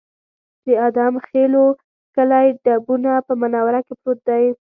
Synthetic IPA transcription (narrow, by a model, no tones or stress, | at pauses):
d̪̥əad̪ɑmxelo | kəlajɖabunapəmanɑwaɾakepɾot̪̚d̪aj